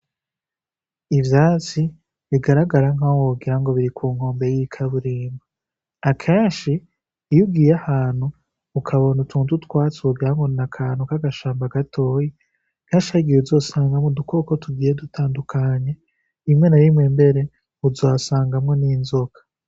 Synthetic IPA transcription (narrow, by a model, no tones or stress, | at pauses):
ivjaːt͡si | βiɡaɾaɡaɾaŋawoɡiɾaŋɡo̞βiɾikʰuːŋho̞ːmbe̞jikʰaβuɾiːmba | akʰe̞ːnʃiː | juɡiːjahaːn̥huː | kʰaβo̞nutʰuːntutwaːt͡suɡiɾaŋɡonakʰaːn̥ukaɡaʃaːmbaɡatʰo̞ːji | kaʃaɡijeuzo̞saːŋɡamodukokotuɡiːjedutʰaːndukʰaːɲe | imŋe̞naɾimŋe̞mbe̞ɾe̞ | uzoasaːŋɡamŋo̞niːnzokḁ